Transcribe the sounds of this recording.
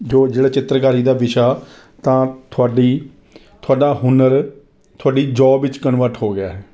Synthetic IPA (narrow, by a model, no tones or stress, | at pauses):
d͡ʒoːd͡ʒeːɽaːt͡ʃɪt̪ɾəkaːɾiːd̪aːʋɪʃaː | t̪ãːt̪ʰʊaːɖiː | t̪ʰʊaːɖaːhʊnəɾ | t̪ʰʊaːɖiːd͡ʒɔːbʋɪt͡ʃkənʋəɾʈɦoːɡɪaːɦɛː